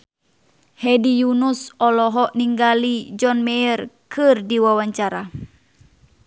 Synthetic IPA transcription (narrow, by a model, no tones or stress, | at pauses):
hɛdijunusɔlɔɦɔʔniŋɡalid͡ʒɔnmɛərkɨrdiwawaɲt͡ʃaɾa